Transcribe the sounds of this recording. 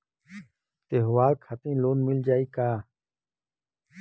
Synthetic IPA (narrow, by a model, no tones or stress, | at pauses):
t̪eːɦʊʋaːlkʰat̪ĩːloːnmɪld͡ʒaːiːkaː